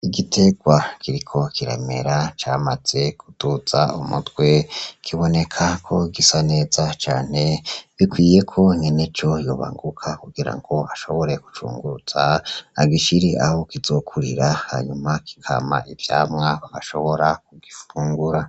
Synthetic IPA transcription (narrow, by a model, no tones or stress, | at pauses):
iɡitʰe̞ɡwakʰiɾikʰo̞kʰiɾḛme̞̰ɾat͡ʃaːmaz̥e̞kutuzaumṵtwe̞kʰiβo̞ne̞kʰakʰo̞iɡisane̞ːz̥at͡ʃaːn̥e̞βikwiːje̞kʰo̞ɲenet͡ʃo̞jo̰ːβa̰ŋɡukʰakuɡiɾa̰ŋɡo̞aʃo̞βo̞ɾe̞ku̥t͡ʃṵːŋɡuɾuz̥aaɡiʃiɾiʔahokizo̞kʰuɾiɾaha̰ɲumaki̥kʰa̰ːma̰ʔivja̰ːmŋaβaɡaʃo̞βo̞ɾak̚uɡifuːŋɡuɾa